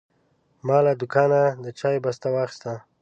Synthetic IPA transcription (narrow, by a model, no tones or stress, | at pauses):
mɑlad̪ʊkɑnad̪ət͡ʃajbast̪awɑxɪ̥st̪a